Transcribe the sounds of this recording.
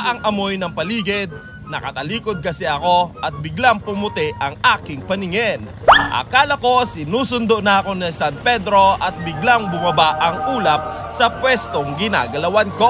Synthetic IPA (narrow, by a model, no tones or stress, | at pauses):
ʔɐŋʔɐmo̞jnɐŋpɐliːɡɪd̪̚ | nɐkɐt̪ɐliːkod̪̚kɐsɛʔɐko̞ʔɐt̪̚bɪɡlaŋpʊmʊt̪ɛʔɐŋaːkɪŋpɐnɪŋɛnʔɐ̰kaːlɐko̞sɪnuːsʊnd̪oʔnɐʔɐkonɐsant̪̚pɛd̪ɾo̞ɐt̪̚bɪɡlaŋbʊmɐbaʔɐŋʔuːlɐp̚ | sɐpwɛst̪oŋɡɪna̰ːɡɐlɐwanko